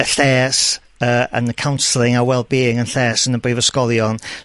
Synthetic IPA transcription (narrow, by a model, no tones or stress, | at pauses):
əθɛːs | əːə̰nəkʰawnslˠɪŋawɛlˠbiːɪŋənθɛːsənəbrivəskɔlˠjɔn